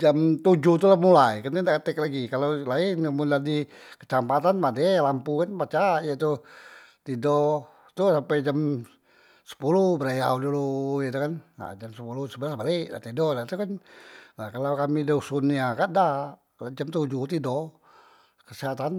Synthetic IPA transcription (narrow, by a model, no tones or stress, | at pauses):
d͡ʒamt̪ud͡ʒut̪ulahmulajkankandakət̪ɛk̚laɡikalolaɪnəmudadikə̥t͡ʃampat̪anpadɛlampukanpat͡ʃajət̪ut̪idɔ | t̪usampɛd͡ʒam | sə̥pulubəɾaja̰udulujət̪ukana̰d͡ʒamsəpulusəbəlasbaliʔda̰ʔt̪idɔdat̪ukanlakalakamidosuniakada | d͡ʒamt̪ud͡ʒut̪idɔ | kəsɛɦat̪an